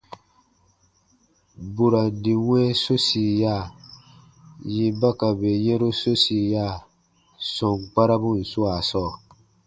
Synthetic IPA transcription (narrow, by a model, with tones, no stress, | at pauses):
bu˨ɾa˨di˨wɛ̃˦so˦si˨ja˦˨ | ji˦ba˦ka˨be˨je˦ɾo˦so˦si˨ja˦˨ | sɔ̃˨ŋɡ͡ba˦ɾa˦bu˦˨n̩˨su˦a˨sɔː˦˨